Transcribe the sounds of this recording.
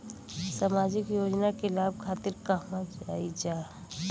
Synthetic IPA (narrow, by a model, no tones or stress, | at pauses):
samaːd͡ʒɪkjoːd͡ʒnakelaːb̚kʰaːt̪ɪɾkəɦmad͡ʒaːid͡ʒaː